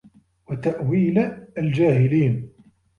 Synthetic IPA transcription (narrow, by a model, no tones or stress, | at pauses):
wat̪aʔwiːlld͡ʒaːhɪliːn